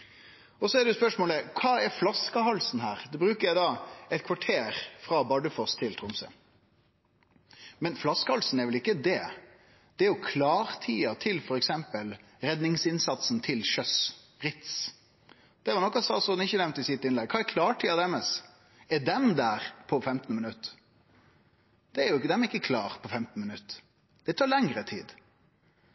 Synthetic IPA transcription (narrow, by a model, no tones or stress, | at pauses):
ɔsɔɛɖɛʊspœʂmoːləkʰɑːɛɾflɑskɑhɑlsn̩ɦæːɾd̪ɛbɾʉːkəɾjæɪd̪ɑɛɪt̪kʰʋɑʈʰeːɾfɾɑbɑɖəfɔst̪ʰɪlt̪ʰɾʊmsə̰ | mɛnflɑskəhɑlsn̩ɛɾʋɛlɪkːəd̪ɛ | d̪̥ɛæɾjʊkʰlɑːɾt̪ʰiːɑt̪ʰɪlfɔɾɛksɛmpəl | ɾɛd̪nɪŋsɪnsɑt̪sn̩t̪ʰɪlʃœs | ɾɪt̪s | d̪̥ɛːɾʋɑɾnɔkːɑsɑsɔd̪nɪçːənɛʋnt̪əɪsɪt̪ːɪnlɛɡ̚kʰɑːɛɾkʰlɑːʈʰiːɑd̪ɛməs | ɛd̪ɛnd̪æːɾpʰɔfɛmt̪nmɪnʉt̪ː | d̪̥ɛæɾjʊɪkːd̪ɛmɛɾɪkːəkʰlɑ̰ːɾpʰɔfɛmt̪n̩mɪnʉt̪ː | d̪̥ɛt̪ʰɑːɾlɛŋɾət̪ʰiːd̪